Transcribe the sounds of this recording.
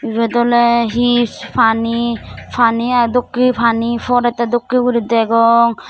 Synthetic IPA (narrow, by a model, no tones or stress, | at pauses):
ibedɔleɦispʰanipʰaniadɔkːipʰanipʰɔɾɛtadɔkːiuɾideɡɔŋ